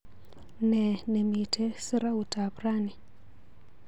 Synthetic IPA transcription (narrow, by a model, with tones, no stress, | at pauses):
nɛ˨nɛ˨mi˨tʰɛ˦sɪ˦ɾa˦u˨ta˨pɾa˦ni˨